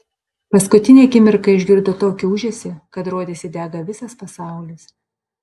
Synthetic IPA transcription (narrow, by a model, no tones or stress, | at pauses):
pɐskʊt̪ʲɪnʲeːkʲɪmʲɪɾkɐɪʒʲɡʲɪɾd̪ot̪oːkʲɪʊʒʲeːsʲɪkɐt̪ɾoːd̪ʲesʲɪd̪ʲæːɡɐʋʲɪsɐspɐsɑˑʊlʲɪs